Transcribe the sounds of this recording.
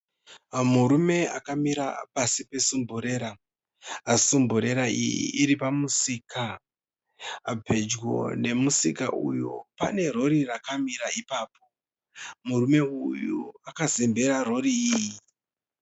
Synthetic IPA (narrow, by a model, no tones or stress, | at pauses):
muɾume̞akamiɾa̰pasipe̞sumbuɾe̞ɾaː | sumbuɾe̞ɾaḭjḭʔiɾipamusiːka | abʱe̞d͡ʒɡo̞̰ne̞musika̰ʔṵjo̞̰pa̰ne̞ro̞ɾirakamiɾaipaːpʰo̞ | murume̞ujuakazembe̞ɾaro̞ɾiːji